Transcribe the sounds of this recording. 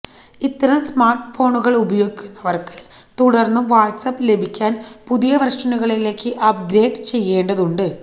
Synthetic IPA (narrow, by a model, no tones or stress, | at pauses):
it̪ːɐɾɐmsmaːrʈfo̞ːɳuɣɐɭubɐjo̞ːɡikʲːunːɐʋɐrkɨ̥t̪uɽɐrnːuʋaːʈsɐpːɨle̞bʱikʲːaːnpuðijɐʋɐrʂɐnuɣɐɭile̞ːkːɨʔɐpɡɾe̞ːɖɨt͡ɕe̞jːe̞ːɳɖɐðuɳɖɨ